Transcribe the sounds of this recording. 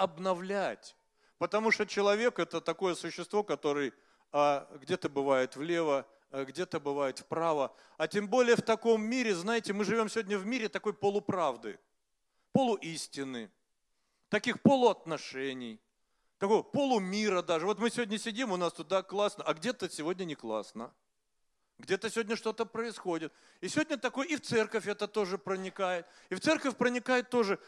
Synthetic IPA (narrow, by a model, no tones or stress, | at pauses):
ɐbnɐvlʲætʲ | pət̪ɐmuʂt̪ot͡ɕɪlˠɐvʲe̞kɛt̪ət̪ɐko̞jəsʊɕːɪst̪vo̞kɐt̪o̞ɾɨj | aɡdʲet̪əbɨvajɪt̪vlʲe̞və | ɡdʲe̞t̪əbɨvajɪt̪fpɾavə | ɐtʲembo̞lʲɪjəft̪ɐko̞mːʲiɾʲɪznajɪtʲɪmɨʐɨvʲo̞msʲɪvodʲnʲəvmʲiɾʲɪt̪ɐko̞jpolˠʊpɾavd̪ɨ̰ | polˠʊʔisʲtʲɪnɨ | t̪ɐkʲixpo̞lˠʊɐt̪nɐʂɛnʲɪj | t̪ɐko̞jəpo̞lˠʊmʲiɾəd̪aʐɨvo̞t̪mɨsʲɪvodʲnʲəsʲɪdʲimʊnast̪ʊd̪aklˠasnəʔɐɡdʲe̞t̪əsʲɪvo̞dʲnʲənʲɪklˠa̰snə | ɡdʲet̪əsʲɪvʲodʲnʲəʂt̪o̞t̪əpɾəɪsxo̞dʲɪt̪̚ | ɪsʲɪvodʲnʲət̪ɐko̞jɪft̪sɛrkəfʲɛt̪ət̪o̞ʐɨpɾənʲɪkajɪt̪̚ | ɪft̪sɛrkəfʲpɾənʲɪkajɪt̪ːo̞ʐɨ